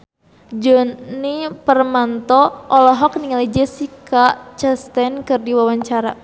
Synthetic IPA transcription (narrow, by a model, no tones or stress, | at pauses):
d͡ʒɔnipərmant̪ɔʔɔlɔɦɔk̚niŋalid͡ʒɛsikat͡ʃɛst̪ɛnkɨrdiwawaɲt͡ʃaɾa